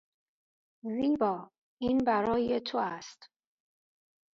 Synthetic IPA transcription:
ziːbɒː | iːnbæɾɒːjet̪ʰoæst̪

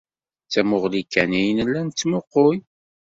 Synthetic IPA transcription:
t͡sːæmʊʁlikːænijnəlːænt͡sːmʊqːoj

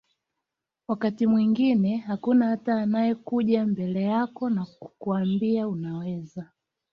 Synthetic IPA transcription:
wakatimwiŋɡinɛhakunahataːnajɛkuʄambɛlɛjakɔnakuambiaunawɛza

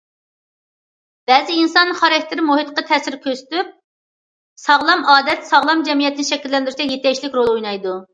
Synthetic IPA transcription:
b̥ɛzɪinsɑnχɑɾɛk̚ʲt̪ɪɾɪmohit̪qɑt̪ʰɛsɪɾkʲʰøsɪ̥t̪yp̚ | sɑʁlˠɑmɑːd̪ɛt̪sɑʁlˠɑmd͡ʒɛmijɛt̪ʰːɪnɪʃɛkʲilːɛnd̪ɪɾɪt͡ʃ̪ɛjet̪ɛkʲʃlɪkʲɾolˠojnɑjd̪u

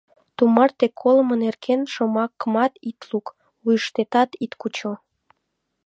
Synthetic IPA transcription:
t̪umɑrt̪ekʰːolmə̆nerkʰenʃomɑkːəmɑt̪it̪luk | ujəʃt̪et̪ɑt̪it̪kut͡ɕo

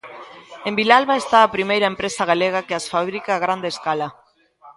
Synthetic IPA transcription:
embilalβaest̪aːpɾimejɾɐempɾesaɣaleɣ̞akeasfaβɾikaːɣ̞ɾand̪eːskala

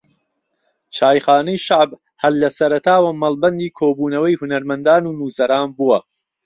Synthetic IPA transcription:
t͡ʃaːjχaːnɐjʃaʕb | hɐlːɐsɐɾɐt̪ʰaːwɐmɐlˠbɐnd̪iːkʰoːbuːnɐwɐjhʊnɐɾmɐnd̪aːnuːnuːsɐɾaːnbuwɐ

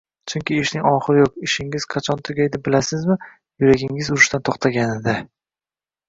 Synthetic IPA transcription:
t͡ʃʰʊŋkʲɪeʃnɪŋɒχɨɾjoqɪʃɪŋɪz̥qʰɑt͡ʃʰɒnt̪ʰʊɡʲajd̪ɪbɪlasɪzmɪ | jʊɾaɡʲɪŋɪzʊɾɪʃt̪ant̪ʰoχt̪ʰaɡʲanɪd̪a

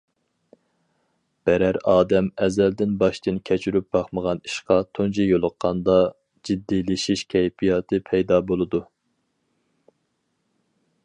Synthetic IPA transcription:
b̥ɛɾæɾɑːd̪ɛmɛzɛld̪ɪnbɑʃt̪ɨnkʲʰɛt͡ʃʰyɾyp̚bɑχməʁɑniʃqɑt̪ʰond͡ʒijolˠʊqːɑnd̪ɑ | d͡ʒid̪ːilɪʃiʃkʲʰɛjpʰijɑt̪ʰɨpʰɛjd̪ɑbolˠɨd̪u

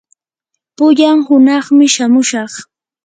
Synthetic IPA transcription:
pʊʎaŋhʊnɑχmɪʃamʊʃɑχ

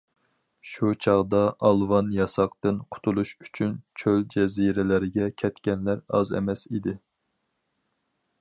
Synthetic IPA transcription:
ʃut͡ʃʰɑʁd̪ɑʔɑlˠvɑnjɑsɑqt̪ɨnqʰʊ̥t̪ʰulˠuʃy̥t͡ʃʰynt͡ʃʰøld͡ʒɛziɾɪlɪɾɪɡʲɛkʲʰɛt̪kʲɛnlæɾɑ̰zɛ̰mɛsid̪ɪ

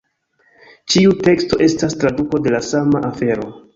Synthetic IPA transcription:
t͡ʃiute̞ksto̞ʔe̞stastɾaduko̞de̞lasamaʔafe̞ɾo̞

